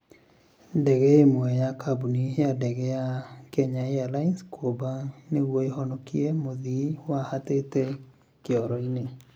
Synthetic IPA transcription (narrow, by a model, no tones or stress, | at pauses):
dɛɡɛemwɛjakabuniadɛɡɛjakɛɲaealainskʰobanewoeɦɔnɔkiemoðiwahat̪etɛ | kɪɔɾɔine